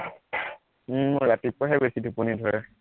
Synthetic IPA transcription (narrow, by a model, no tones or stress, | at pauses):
m̩mʊɹːatipɔɦɛbesidʱupunidʱɔɹɛ